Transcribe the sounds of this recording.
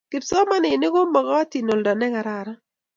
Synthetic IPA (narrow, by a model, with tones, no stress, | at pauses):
kɪ˨tsɔ˦ma˦nɪ˨ne˦ɡo˦mːɔ˨ɡɔ˦a˦ti˨no˨ldɔ˨nɛ˦ŋa˨ɾa˨ɾa˦